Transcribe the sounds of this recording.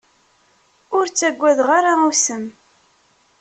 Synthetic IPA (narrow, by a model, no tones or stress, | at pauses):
ʊɾt͡sːæɡʷːæðʁaɾausəm